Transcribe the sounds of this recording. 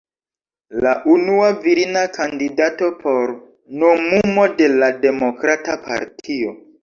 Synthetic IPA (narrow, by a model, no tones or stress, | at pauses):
laʔunuaviɾinakandidato̞pʰo̞ɾ | nomumode̞lade̞mo̞kɾatapʰa̰ɾtʰio̞